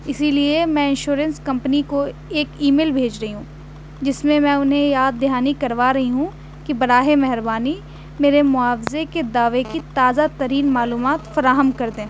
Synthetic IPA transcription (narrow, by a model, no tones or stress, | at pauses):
ɪsiliemɛ̃ɪ̃nʃuːɾə̃nskɐ̃mpniko | eːkiːmeːlbʱeːd͡ʒɾɐɦiɦũː | d͡ʒɪsmẽmɛ̃ʊnɦẽjaːd̪ːɪɦaːnikɐɾʋaːɾɐɦiɦũ | kibɐɽaːɦemɛɦɾbaːni | meːɾemʊaːfzeked̪aːʋekit̪aːzat̪ɐɾiːnmaːluːmaːt̪fɐɾaːɦəmkɐɾd̪ẽː